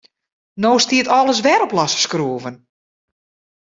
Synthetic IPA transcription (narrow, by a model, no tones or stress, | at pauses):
noːstiətɔlˠəs̬ʋɛɾɔplɔsə̥skruəvən